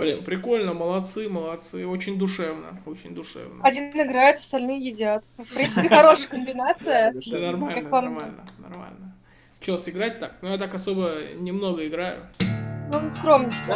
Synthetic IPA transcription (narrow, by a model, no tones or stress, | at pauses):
vɾʲḭmpɾʲɪko̞lʲnəməlˠɐt̪sɨməlˠɐt̪sɨo̞t͡ɕɪnʲd̪ʊʂɛvnə̰o̞t͡ɕɪnʲd̪ʊʂɛ̰vnəɐdʲinɪɡɾajʊt̪ɐ̥st̪ɐlʲnɨjəjɪdʲat̪fpɾʲint̪spʲɪxɐɾo̞ʂɨjəkəmbʲɪnat̪sɨjənɐrmaləammalʲnənɐ̰rma̰lʲnə | t͡ɕsɪɡɾat̚ʲt̪ak̚nʊjat̪akɐso̞bənʲɪmno̞ɡəɪɡɾajʊ̰nuskɾomnʲɪt͡ɕt̪ʲ